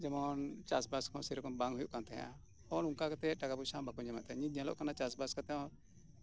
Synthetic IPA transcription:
d͡ʒɛmɔnt͡ʃasbaskɔ̃sɛɾɔkɔmbaŋɦujuʔkant̪ɛɦa̰ | ɔɾuŋkakat̪ɛʈakabusabakɔɲd͡ʒɛma̰ʔt̪ɛ̃ɲĩɲalɔ̰ʔkanat͡ʃasbaskat̪ɛɔ̃

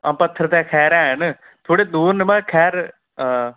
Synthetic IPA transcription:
ãpɐt̪ʰːəɾt̪ɛːkʰɛːɾaːn | t̪ʰoːɽeːd̪uːɾnəmãːkʰɛːɾ

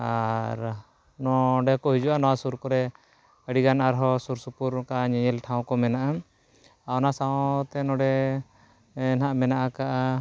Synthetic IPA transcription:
aɾ | nɔɖɛkɔɦid͡ʒuʔanɔwasuɾkɔɾɛ | əɽiɡanaɾɦɔsuɾsupuɾkaʔaɲɛɲɛlʈʰãw̃kɔmɛnaʔa | aɔnasãt̪ɛnɔɖɛ | naʔmɛnaʔakaʔa

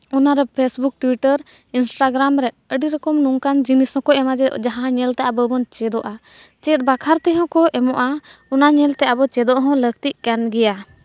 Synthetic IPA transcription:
ɔnaɾɛpʰesbuk̚ʈwiʈəɾ | insʈaɡɾamɾɛ | əɖiɾɔkɔmnuŋkand͡ʒinishɔ̃kɔʔɛmad͡ʒɛd͡ʒaɦããɲɛlt̪aʔabəbɔnt͡ʃɛd̪ɔʔa | t͡ʃɛt̪̚ˀbakʰaɾt̪ɛɦɔ̃kɔʔɛmɔʔaɔnaɲɛlt̪ɛʔabɔt͡ʃɛd̪ɔʔɦɔ̃lək̚t̪iʔ̚kanɡɛja

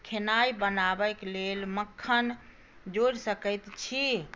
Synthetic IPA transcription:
kʰenajbənabəklelməkʰːən | d͡ʒoɾsəkət̪t͡ʃʰi

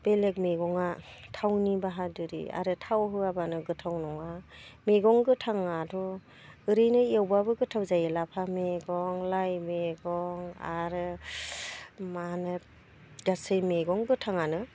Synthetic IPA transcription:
b̥elek̚meɡɔŋatʰawnibaɦadɯɾḭa̰ɾɯtʰawɦɯabanɯɡɯtʰawnɔŋameɡɔŋɡɯtʰaŋadʰɔ | ɯɾɯjnɯiewbabɯɡɯtʰawzajelapʰameɡɔŋlajmeɡɔŋa̰ɾɯ | manɯ | ɡasɯjmeɡɔŋɡɯtʰaŋanɯ

